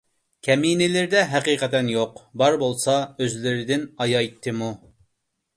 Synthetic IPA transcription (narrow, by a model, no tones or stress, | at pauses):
kʲʰɛminɪlɪɾɪd̪ɛɦæqiːqɛt̪ɛnjoqbɑɾbolˠsɑøzlɪɾɪd̪ɪnɑjɑjt̪ʰːɨmu